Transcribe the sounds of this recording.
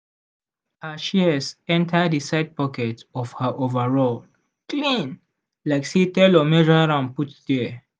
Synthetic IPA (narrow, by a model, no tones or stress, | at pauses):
aʃiəsɛ̃ntʰəəsaɪd̚pɔkɛtɔfhəʔovəɹɔl | klĩn | laɪksitɛlɔmɛd͡ʒɔaɹãmputdɛ